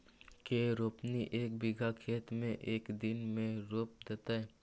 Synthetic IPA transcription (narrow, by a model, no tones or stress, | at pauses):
keɾoːpniʔeːk̚bɪɡʱakʰeːt̪mẽʔeːkd̪ɪnmẽɾoːp̚d̪et̪aɛ